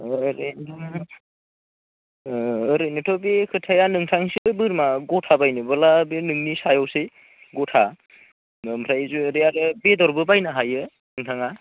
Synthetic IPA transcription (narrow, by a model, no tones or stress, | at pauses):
ɾentʰɔ | ɾejnɯtʰɔbekʰɯtʰajanɯŋtʰaŋsibɯɾmaɡɔtʰabajnɯbɯlabinɯŋnisajɔwsɯj | ɡɔtʰa | mpʰɾajzuɾejaɾɯbedɔɾbɯbajnaɦajɯ | nɯŋtʰaŋa